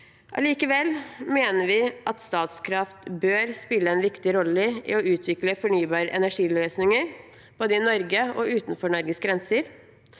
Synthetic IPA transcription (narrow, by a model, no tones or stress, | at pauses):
ʔɑ̰liːkəʋɛlmeːnəɾʋɪʔɑt̪st̪ɑːt̪skʰɾɑft̪bøːɾspɪlːəɛnʋɪkt̪ɪɾɔlːəʔɪ̰ːɔʉːt̪ʰʋɪkləfɔɳyːbɑːɾəʔɛnæʂiːløːsnɪŋəɾ | b̥oːd̪əɪnɔɾɡəɔʉːt̪nfɔɳɔɾɡəsɡɾɛnsəɾ